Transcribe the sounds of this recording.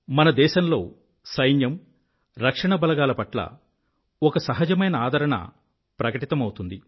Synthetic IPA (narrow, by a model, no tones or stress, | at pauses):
mɐnɐd̪ɛːʃɐmlo̞ː | sɐjnjɐm | ɾɐkʂɐɳɐbɐlɐɡaːlɐpɐʈlɐ̰ | ɔkɐsɐɦɐd͡ʒɐmɐjnɐaːd̪ʱɐɾɐɳɐ̰ | pɾɐkɐʈit̪ɐmɐwut̪und̪i